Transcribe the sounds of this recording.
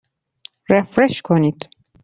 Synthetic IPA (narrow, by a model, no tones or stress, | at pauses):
ɾefɾeʃkʰonid̪